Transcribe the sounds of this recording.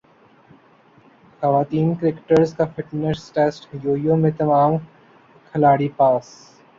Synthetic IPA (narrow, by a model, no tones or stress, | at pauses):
xɐʋaːt̪iːnkɾɪkʈəɾzkafɪʈnəsʈeːsʈjoːijõmẽt̪ɐmaːm | kʰɐlaːɽipaːs